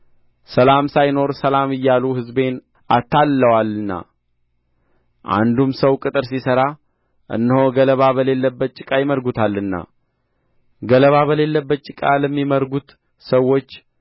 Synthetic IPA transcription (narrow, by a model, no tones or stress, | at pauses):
səlamsajno̞ɾsəlamɨjːaluhɨzbe̞n | ʔat̪ʰːalːəwalɨnːa̰ | ʔa̰nd̪umsəwkʼɨt̪ʼɨɾsisəɾa | ʔɨ̰nːəhoɡələβaβəle̞lːəbːət͡ʃʼːɪkʼajɪməɾɡut̪ʰalːɨnːa̰ | ɡələβaβəle̞lːəbːət̪t͡ʃʼɪkʼaləmːiməɾɡut̪ | səwo̞t͡ʃː